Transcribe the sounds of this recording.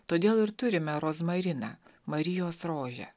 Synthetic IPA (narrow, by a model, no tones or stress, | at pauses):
t̪oːd̪ʲeːlˠɪɾt̪ʊɾʲɪmʲɛɾoːsmɐɾʲɪnɑ̰ːmɐɾʲɪjoːsɾoːʒʲɛ̰